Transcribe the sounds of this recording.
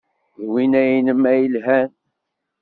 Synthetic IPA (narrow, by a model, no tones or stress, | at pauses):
ðwinæjinəmæjəlɦæn